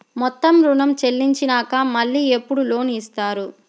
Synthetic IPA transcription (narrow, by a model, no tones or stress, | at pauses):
mɔt̪ːɐmɾuɳɐmt͡ʃe̞lːiɲt͡ʃinaːkɐmɐɭːiːepːuɽulo̞ːniːst̪aːɾu